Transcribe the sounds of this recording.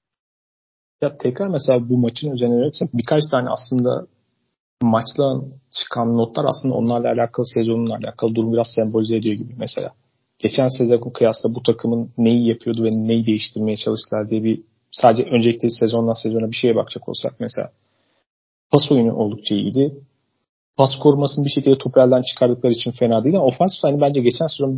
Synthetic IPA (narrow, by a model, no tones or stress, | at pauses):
jat̪ʰɛcɾaɾmese̞lʲaːbumat͡ʃʰɯnøzɛnɛveesɛbikʰat͡ʃt̪ʰaːnɛ̰a̰slˠɯnd̪a̰ | mat͡ʃlˠant͡ʃʰɯ̥kʰanːo̞t̪lˠaɾasˠɯnd̪a̰o̞̰nlˠaɾlˠaːlʲaːkʰalˠɯsɛzo̞nunˠalʲa̰ːkʰalˠɯd̪uɾumbiɾazsɛmbo̞lʲized̪ijo̞ɟibimese̞lʲa̰ː | ɟ̥e̞t͡ʃʰænsezaɡonkʰɯjast̪abut̪ʰakʰɯmɯnːejijapʰɯjo̞d̪uvɛnejid̪e̞jiʃt̪ʰiɾme̞jɛt͡ʃʰalˠɯʃt̪ɯlˠaɾd̪ijɛbi | saːd̪d͡ʒɛʔø̞nd͡ʒelʲiclʲɛisezo̞nd̪ansɛzo̞nabiʃe̞jɛba̰kd͡ʒʰakʰo̞̰usa̰k̚mese̞̰lʲa̰ː | pʰaso̞jynṵʔo̞lˠd̪ukt͡ʃʰaḭd̪ɪ | pʰaskʰo̞ɾumasɯnbiʃecʰilʲd̪ɛtʰoplʲælʲd̪ænt͡ʃʰɯ̥kʰaɾd̪ɯk̚lˠaɾit͡ʃʰinfe̞naːd̪ɯjd̪o̞fansi̥fʲhanibænd͡ʒɛɟe̞t͡ʃʰænsezo